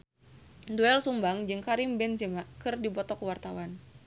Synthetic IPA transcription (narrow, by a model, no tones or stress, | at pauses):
duɛlsumbaŋd͡ʒɨŋkaɾimbɛnd͡ʒəmakɨrdibɔt̪ɔkəwart̪awan